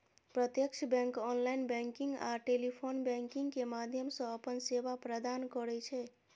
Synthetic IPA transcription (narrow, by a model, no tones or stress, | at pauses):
pɾət̪jəkt͡ʃʰəbɛ̃ŋkɔnlainbɛ̃ŋkiŋɡaʈelipʰonbɛ̃ŋkiŋɡkemad̪ʱjəmsə̃əpənsebapɾəd̪ankɔɾɛt͡ʃʰɛ